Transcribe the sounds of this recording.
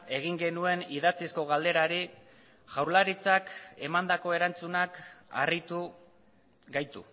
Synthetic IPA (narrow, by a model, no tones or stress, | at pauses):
e̞ɣ̞iŋɡe̞nue̞niðat͡sisko̞ɣ̞ald̪e̞ɾaɾi | ʝawɾlaɾit͡sake̞mand̪ako̞e̞ɾant͡sunaka̰rit̪u | ɡajt̪ṵ